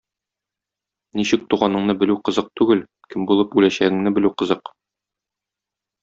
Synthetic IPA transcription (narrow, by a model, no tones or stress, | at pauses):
niɕɘk̚t̪uʁɑnɤ̆ɴnɤbɘ̆lʉqɤ̆zɤq̚t̪ʉɡɘl | kɘmbulˠɤpʉlæɕæɡɘ̆ŋnɘbɘ̆lʉqɤ̆zɤq